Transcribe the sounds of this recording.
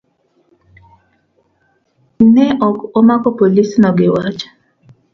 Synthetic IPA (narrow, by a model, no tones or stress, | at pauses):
nɛʔɔkomakɔpolisnɔɡɪwat͡ʃ